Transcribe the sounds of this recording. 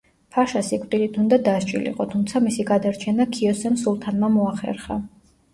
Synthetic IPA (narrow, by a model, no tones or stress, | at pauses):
pʰaʃasikʼt̪ʼilit̪ʰund̪ad̪aʃt͡ʃʼḭlḭqʼɔt̪ʰumt̪sʰamisiɡad̪aɾt͡ʃʰɛnakʰiɔsɛmsulˠt̪ʰanmamɔaχɛ̰ɾχa̰